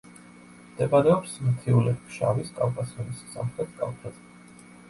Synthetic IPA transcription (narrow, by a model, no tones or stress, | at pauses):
md̪̥ʰɛbaɾɛɔpsmt̪ʰiulɛt̪ʰkʃa̰viskʼavkʼasiɔnisːa̰mχɾɛt̪̚ʰkʼa̰lpʰɾɛt̪